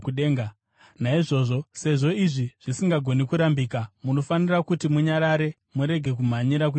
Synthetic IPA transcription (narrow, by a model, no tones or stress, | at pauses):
uɗeːŋɡa | naiʐo̞ʐo̞se̞ʐo̞iʐiʐ̥isiŋɡaɡʱo̞nikuɾambiːkamuno̞fanirakutimuɲaɾaɾe̞ | muɾe̞ɡʱe̞kum̤aɲiɾak̬u